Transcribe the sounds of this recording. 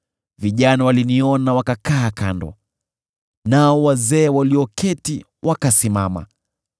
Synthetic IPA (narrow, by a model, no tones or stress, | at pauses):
viʄanawaliniɔnawakakaːkandɔ̰ | naɔwazɛːwaliɔkʰɛti | wʔakasimama̰